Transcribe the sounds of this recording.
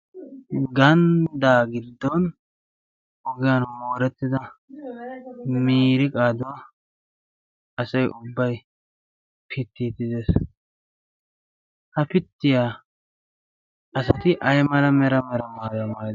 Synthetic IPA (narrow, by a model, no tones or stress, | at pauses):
ɡɐnd̪aːɡɪd̪ːɔn | ɔɡɪjanmoːɾɛt̪ːɪd̪ɐ | miːɾɪkʼaːd̪ʊwɐ | ɐsɐjʔʊbːɐj | pʰɪt̪ːiːt̪ːɪd̪eːs | hɐpɪt̪ːɪjaː | ɐsɐt̪ɪʔɐjmɐlɐmɛɾɐmɛɾɐmaːdɐmaːd̪